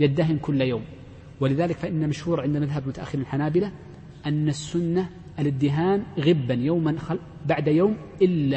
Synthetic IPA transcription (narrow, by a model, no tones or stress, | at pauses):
jad̪ːaɦɪmkʊlːjaːm | wɪlɪðaːlɪkfaʔɪnːamaʃhuːɾʕɪnd̪maðɦablmʊt̪aʔa̰xːɪɾinalħanaːbɪla | ʔanːasːʊnːa | ʔalɪd̪ːɪɦaːmɣɪbːanjawmanxɑ | baʕd̪jaːm | ʔɪlːa